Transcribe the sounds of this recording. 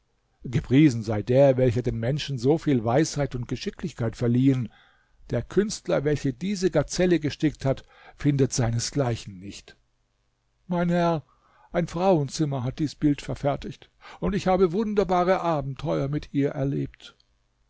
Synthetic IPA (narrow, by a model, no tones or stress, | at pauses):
ɡəpʁ̥iːzn̩zaɪdeːɐvɛlçɐdeːnmɛnʃn̩zoːfiːlvaɪshaɪtʊnt̚ɡ̥əʃɪklɪçkʰaɪtfɛɐliːən | d̥eːɐkʰʏnstlɐvɛlçədiːzəɡat͡sɛləɡəʃtɪkthat | fɪndətz̥aɪnəsɡ̥laɪçn̩ːɪçt | maɪnhɛɐ | ʔaɪnfʁ̥aʊənt͡sɪmɐɦat̚d̥iːsb̥ɪltfɛɐfɛɐtʰɪçt | ʊntɪçhaːbəvʊndɐbaːʁəʔaːbm̩tʰɔʏɐmɪtʔiːɐʔɛɐleːp̚t